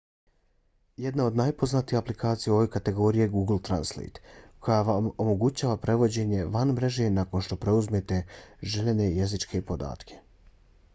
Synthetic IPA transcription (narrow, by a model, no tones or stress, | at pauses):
jed̪nao̞d̪najpo̞znat̪ihaplikaːt̪sijeo̞ʋe̞kat̪e̞ɡo̞ːɾije̞ɡuːɡl̩t̪ɾa̰nslḛjt̪kʰo̞jaʋamo̞mo̞ɡut͡ɕaːʋapɾe̞ʋo̞d͡ʑe̞ɲe̞ʋanmɾe̞ʒe̞nako̞nʃt̪o̞pɾe̞uzmet̪e̞ʒeʎene̞jezit͡ʃkʰe̞po̞d̪a̰ːt̪kʰe̥